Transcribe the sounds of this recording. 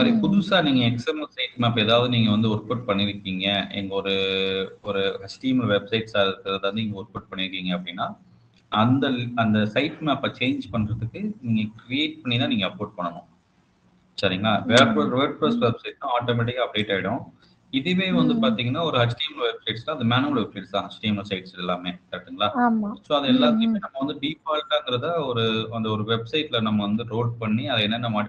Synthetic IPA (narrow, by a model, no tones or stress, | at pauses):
saːɾipʊðʊsaːniːŋɡɐɛksɛmɛlsɐɪʈmeːpːɐɛðaːʋɐðɯniːŋɡɐʋɐnd̪ɯʊɾpʊʈ̚pɐɳːɪɾɯkːiːŋɡɐɛ̰ŋɡɐɔɾɯɔɾɯhɐt͡ʃʈiːmɐlʋɛbsɐɪʈsaːɪɾɯkːɾɐðɯʋɐndɯnɪːŋɡɐʊɾpʊʈ̚pɐɳːɪɾɯkːiːŋɡɐpːɐɽɪnːaː | ʔɐnd̪ɐlɐnd̪ɐsɐɪʈːmeɐpːɐt͡ʃeːɲd͡ʒpɐɳːɾɐðɯkːɯniːŋɡɐkɾɪeːʈ̚pɐɳːɪnːaːniːŋɡɐɐpoːʈ̚pɐɳːɐnõ | sɐɾɪŋɡɐɭaːʋeɾpɐsʋɐɾ̚pɾɐsʋɛbsɐɪʈːãaːʈoːmɛʈ̬ɪkːɐp̚ɖeːʈːaːʋɪɽʊ̃ | ɪðeʋeːʋɐnd̪ɯpaːɾt̪iːŋɡɐnːaːɔɾɯɦɐt͡ʃʈɐːmlɐʋɛb̚sɐɪʈslãɐðɯmaːnuʋɐlʋɛbsɐɪʈsãːɦɐt͡ʃʈɐɪmlɐsɐɪʈsɛlːaːmeːpaːɾt̪ɯŋɡɐɭaːaːmasoːɐðɐɛlːaːt̪ɪjɯmeːnɐmːɐʋɐnd̪ɯɖiːfaːlkaːnɡɪɾɐðãːɔɾɯɐnd̪ɐɔɾɯʋɛbsɐɪʈːlɐnɐmːɐʋɐnd̪ɯɾoːɖ̚pɐɳːiɐðɐɛnːɐnːɐmaːʈ